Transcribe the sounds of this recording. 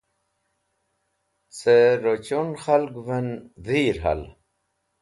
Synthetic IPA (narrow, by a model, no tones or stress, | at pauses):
t͡seɾot͡ɕunxɐlɡvenðiːɾɦa̰l